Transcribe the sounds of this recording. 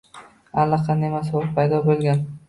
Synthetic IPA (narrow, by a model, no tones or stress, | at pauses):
alːɑqʰɑnemasolˠpʰajd̪ɒbolˠɡʲan